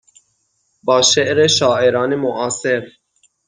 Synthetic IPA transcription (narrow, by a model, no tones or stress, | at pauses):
bɑːʃɛʔɾeʃɑːʔeɾɑːnemoʔɑːseɾ